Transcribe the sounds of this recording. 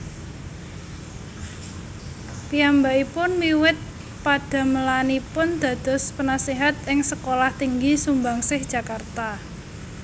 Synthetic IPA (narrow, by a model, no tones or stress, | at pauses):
piambaipʊnmiwɪt̪̚ | pad̥a̤məlanipʊnd̪̥ä̤d̪̥ɔ̤spənasiɦat̪̚ɪŋsəkolaht̪iŋɡisumbaŋsɪhd̥ʒ̥a̤kart̪a